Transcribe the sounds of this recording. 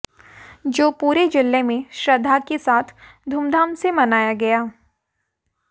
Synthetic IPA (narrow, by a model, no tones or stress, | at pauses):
d͡ʒoːpuːɾed͡ʒɪlːemẽʃɾɐd̪ʱːakesaːt̪ʰd̪ʱuːmd̪ʱaːmsemɐnaːjaɡɐjaː